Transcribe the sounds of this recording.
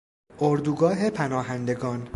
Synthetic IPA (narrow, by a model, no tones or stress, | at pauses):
ʔoɾd̪uɡɒːɦe̞pʰænɒːɦænd̪e̞ɡɒːn